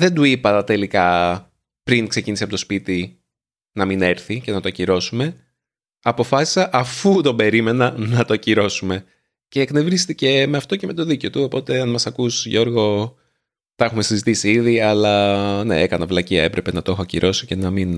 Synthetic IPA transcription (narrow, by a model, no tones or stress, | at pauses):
ðe̞nd̪uipɐt̪e̞likɐ | pɾiŋkse̞cinisiɐpot̪o̞spit̪i | nɐmine̞ɾθice̞nɐt̪oɐciɾo̞sume̞ | ɐpo̞fɐsi̥sɐʔɐfut̪o̞be̞ɾime̞nɐnɐt̪ociɾo̞sume̞ | ce̞ːknevɾist̪ice̞me̞ɐft̪o̞ce̞me̞t̪o̞ðiceo̞t̪uopo̞t̪e̞ɐnmɐsɐkusʝo̞ɾɣo̞ | t̪ɐexume̞sizit̪isiiðiɐlɐne̞̰ekɐnɐvlɐciɐe̞pɾʔe̞pe̞nɐt̪oexoɐcḭɾʔo̞sice̞nɐmin